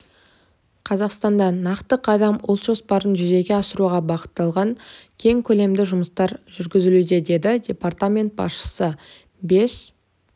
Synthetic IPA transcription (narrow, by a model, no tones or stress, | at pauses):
qʰɑzɑqst̪ɑnd̪ɑnɑqt̪əqʰɑd̪ɑmʊlˠt̪ʒ̥o̞spɑɾənʒʏze̞ɡʲe̞ɑsəɾuʁɑbɑqə̥t̪ːɑlˠʁɑŋkʲʰe̞ŋkʲʰɵle̞md̪ɪʒʊməst̪ɑɾʒʏɾɡʲɪzɪlud̪e̞d̪e̞d̪ɪdʲe̞part̪amʲe̞nt̪̚bɑ̰sʃə̥sə | be̞s